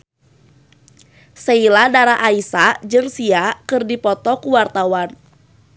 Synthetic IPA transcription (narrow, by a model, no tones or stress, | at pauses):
seiladaɾaʔaisad͡ʒɨŋsiakɨrdipɔt̪ɔkuwart̪awan